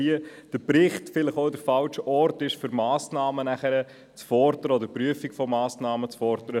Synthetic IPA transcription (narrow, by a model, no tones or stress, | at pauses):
iəd̥əɾpɾɪχtfɪləχoʊdəɾfɑlʃəɔɾtɪʃfʏɾmɑːsnɑːmənæχəɾə | t͡sfɔɾdəɾəɔdəɾpɾyəfikfɔmɑːsnɑːmət͡sfɔɾdəɾə